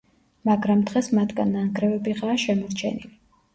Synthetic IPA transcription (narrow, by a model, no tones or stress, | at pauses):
maɡɾamd̪ʁɛsmat̪ʰɡanːanɡɾɛvɛbiʁaːʃɛmɔɾt͡ʃʰɛ̰nḭli